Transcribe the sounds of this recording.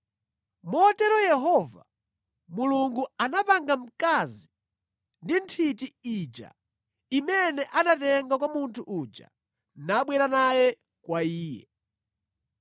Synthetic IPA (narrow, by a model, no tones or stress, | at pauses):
mɔtɛɾɔjɛɦɔva | muluŋɡuanapaŋɡam̩kazi | ndintʰitiid͡ʒa̰ | imɛnɛʔanatɛŋɡakwamuntʰuʔud͡ʒa̰ | naɓwɛɾanajɛ | kwaiːjɛ̰